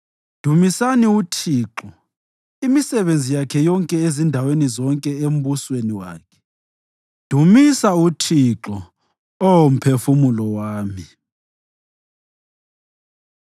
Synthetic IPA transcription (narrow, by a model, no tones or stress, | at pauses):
d̥ʱumisaniutʰiːǁɔ | imisɛβend͡zʱijakʰɛjɔŋkʼɛezindʱawenizɔŋkʼɛem̩βusweniwa̰ːkʰɛ̥ | d̥ʱumisautʰiǁɔ | owom̩pʰefumulɔwaːmi